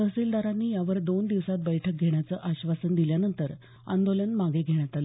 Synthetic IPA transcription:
əsiːld̪aɾanːiːjaʋəɾd̪ond̪iʋsat̪̚bəjʈʰək̚ɡʱeɳjat͡səːʔaɕʋasənd̪iljanənt̪əɾ | a̰nd̪olənmaɡeɡʱeɳ̃jat̪al

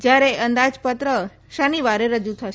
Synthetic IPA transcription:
d͡ʒjaɾeənd̪ad͡ʒpət̪ɾə | ʃaniʋaɾeɾəd͡ʒut̪ʰəʃ

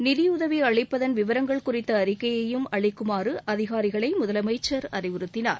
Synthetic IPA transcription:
nɪðɪʊðɐʋiɐɻɐɪpːɐðɐnʋɪʋɐɾɐŋɡɐɭkʊrɪt̪ːɐːɾɪkːɐjɐjɯmɐɭɐɪkːɯmaːrɯʔɐðɪɣaːɾɪɣɐɭɐɪmʊðɐlɐmɐɪt͡ʃːɐɾɐrɪʋɪɾɯt̪ːɪna̰ːɾ

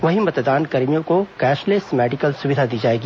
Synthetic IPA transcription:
ʋɐɦimɐt̪d̪aːnkɐɾmijõkokɛːʃlɪsmɛːɖɪkəlsʊʋɪd̪ʱad̪iːd͡ʒaːeːɡiː

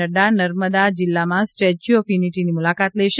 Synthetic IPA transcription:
əɖanəɾməd̪ad͡ʒɪlːamãsʈed͡ʒiopjuniʈinimulakat̪lɛʃ

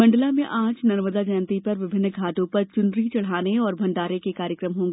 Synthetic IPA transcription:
mɐ̃ɳɖəlamẽʔãːt͡ʃnɐɾməd̪ad͡ʒənt̪ipɐɾʋɪbʱɪ̃nːɡʱaːʈõpɐɾt͡ʃʊnɾit͡ʃɐɽ̤aːneɔːɾbʱɐ̃ɳɖaːɾekekaːɾjəkɾəmɦõːŋɡeː

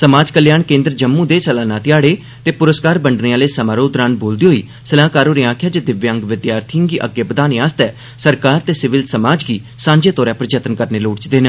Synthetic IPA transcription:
səmaːd͡ʒkəljaːɳkẽːnd̪ɾd͡ʒəmːũːd̪eːsəlaːnãːt̪ɪjaːɽeː | t̪eːpʊɾəskaːɾbəɳɖneãːleːsəmaːɾoːd̪ɾãːnboːld̪iːɦoːḭː | səlaːkaːɾoːɾiãːkʰjaːd͡ʒəd̪ɪʋjãŋɡʋɪd̪jaːɾt̪ʰiəŋɡiːʔə̰ɡeːbəd̪aːnẽːaːst̪ɛː | səɾkaːɾt̪eːsɪʋɪlsəmaːd͡ʒɡiː | sãːɲd͡ʒeːt̪ɔːɾɛːpəɾd͡ʒət̪ənkəɾneːloːɽt͡ʃd̪eːnə

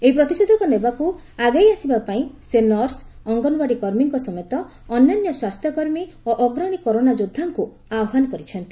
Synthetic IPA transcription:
eipɾɔt̪ised̪ʱɔkɔnebaku | aɡajasibapaĩsenɔɾsɔŋɡɔnbaɽikɔɾmiŋkɔsɔmɔjt̪ɔː | nːanjɔswast̪ʰjɔkɔɾmi | oʔɔɡɾɔɽ̃ikɔɾonad͡ʒod̪ʱːaŋku | aɔɦanɔkɔɾit͡ʃʰɔnt̪i

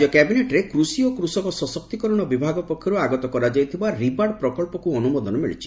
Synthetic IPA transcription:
ɔkɛbineʈɾekɾusiokɾusɔkɔsɔsɔk̚t̪ikɔɾɔɽ̃ɔbibʱaɡɔpɔkʰːjɔɾuaɡɔt̪ɔkɔɾad͡ʒajt̪ʰibaɾibaɽpɾɔkɔɭpɔkuɔnumɔd̪ʱɔnɔmḭɭḭt͡ʃʰi̥

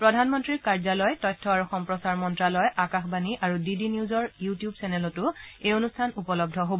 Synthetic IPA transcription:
pɹɔdʱanmɔntɹiɹkaɹzalɔjtɔjtʰːɔaɹɔxɔmpɹɔsaɹmɔntɹalɔjʔakaxbaniʔaɹudidiniuzɔɹjutijubsɛnɛlɔtʊejonustʰanupɔlɔb̚dʱɔɦobɔ

